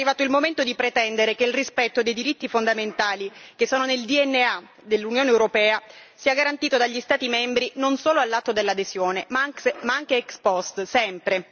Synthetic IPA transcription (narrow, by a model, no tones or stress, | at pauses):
rːivaːt̪oilmoment̪od̪ipɾet̪ɛnd̪eɾekeilrispɛt̪ːod̪ejd̪iɾit̪ːifond̪ament̪aːlik̟esːoːnoneld̪iɛnːea | d̪elːunjoːneːwɾopɛːasiaɡaɾant̪iːt̪od̪aʎːist̪aːt̪imɛmbɾinonsoːloalːat̪ːod̪elːad̪ezjoːnemamaaŋk̟eɛkspɔst̪sɛmpɾe